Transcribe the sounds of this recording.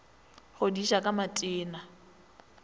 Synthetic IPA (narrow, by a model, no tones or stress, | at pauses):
χʊdiʃakʼamatʼɪːna